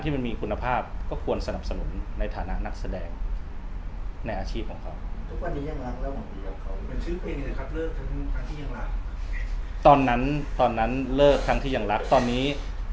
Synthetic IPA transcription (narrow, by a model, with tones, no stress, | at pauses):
nt̪ʰiː˥˩m˧nmiː˧kʰu˧nːa˧pʰaː˥˩p̚kɔː˥˩kʰu˧ənsa˧na˨˩p̚sa˧nu˩˦nːa˧jt̪ʰaː˩˦na˦˥ʔna˦˥k̚sa˧dɛː˧ŋ | na˧jʔaː˧t͡ɕʰiː˥˩kɔː˩˦ŋkʰa˦˥wt̪ʰu˦˥k̚wa˧nːiː˦˥ja˧˩ŋɾa˦˥k̚lɛː˦˥˩ma˧˩i˧˩a˧˩kʰa˦˥wpe˧nsʰɯː˦˥pʰe˧ni˧˩la˧kʰa˦˥˩p̚lɤː˥˩k̚t̪ʰa˦˥kʰɾa˦˥ŋt̪ʰiː˥˩ja˧˩ŋɾa˦˥k̚ | t̪ɔː˧nːa˦˥nt̪ɔː˧nːa˦˥nlɤː˥˩kʰːɾa˦˥ŋt̪ʰiː˥˩ja˧ŋɾa˦˥k̚t̪ɔː˧nːiː˦˥